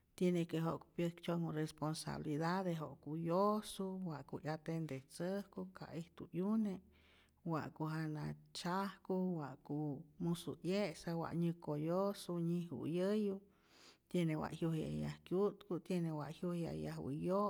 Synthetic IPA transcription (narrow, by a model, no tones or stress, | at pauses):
t̪jenekeɦoʔku̥pjəkt͡ʃoŋuresponsa̰βlid̪ad̪eɦoʔkujosuwaʔkujat̪end̪et͡səhkukʰa̰ʔiht̪ujune | wa̰ʔkuɦanat͡ʃahkuwaʔkumusujesawa̰ʔɲɨkojosuɲihṵjəju | t̪jenewa̰ʔhjuhja̰jahkjut̪kut̪jenewaʔhjuhja̰jahwḭjo